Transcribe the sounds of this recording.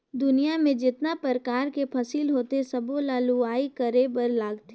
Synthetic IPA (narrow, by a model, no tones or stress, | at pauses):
d̪ʊnijamẽd͡ʒɪt̪napəɾəkaːɾkepʰɐsiːlɦoːt̪esɐbolaːluaːikəɾebəɾlaːɡt̪e